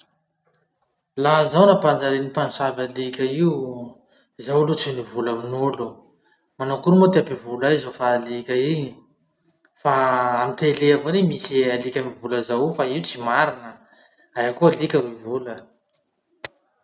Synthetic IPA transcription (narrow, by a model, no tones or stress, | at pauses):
laɦzawnapand͡ʒaɾenipanusavalikʲəiu | zawlut͡sinivulaminolu | manakuɾumot̪iapivulaizofaːlikʲəii | faamit̪eleavonemisealikʲamivuləzaufaiut͡simaɾinə | ajakualikʲəɾuivulə